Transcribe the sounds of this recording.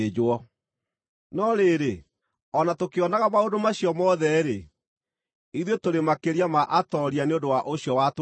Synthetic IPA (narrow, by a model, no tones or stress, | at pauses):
d͡ʑɔ | nɔɾeɾe | ɔnatokeɔnaɣamaondomaɕjɔmɔðɛɾe | iðwetoɾemakeɾiamaʔatɔɾianeondowaʔoɕjɔwat